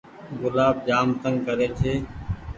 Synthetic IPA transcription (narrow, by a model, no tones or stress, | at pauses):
ɡʊlaːb̚d͡ʒaːmt̪əŋɡkəɾeːt̪ʰeː